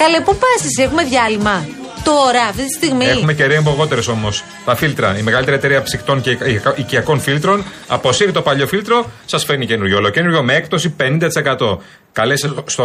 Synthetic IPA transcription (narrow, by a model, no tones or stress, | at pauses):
kɐlepupɐsisexume̞ðʝɐlimɐt̪o̞ɾɐːft̪it̪i̥st̪iɣmiexume̞ceɾeemboɣo̞t̪e̞ɾe̞so̞mo̞s | t̪ɐfilt̪ɾɐimeɣɐlit̪eɾiet̪e̞ɾiɐfsixt̪o̞ŋceʔiciɐko̞nfilt̪ɾo̞n | ɐ̰po̞siɾit̪opɐʎo̞filt̪ɾo̞sɐsfenicenuɾʝolocenuɾʝo̞meek̚t̪o̞sipe̞nind̪ɐt̪ise̞kɐt̪o̞ | kɐlesɐst̪o